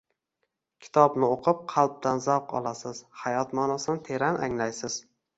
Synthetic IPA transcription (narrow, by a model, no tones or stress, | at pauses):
kʲʰɪ̥t̪ʰɒbnɪoqʰɨp̚qʰɑlˠp̚t̪anzawqɒ̰lˠasɪz̥hajɒt̪mɒnasɪnɪt̪ʰe̞ɾanʔaŋlajsɪz̥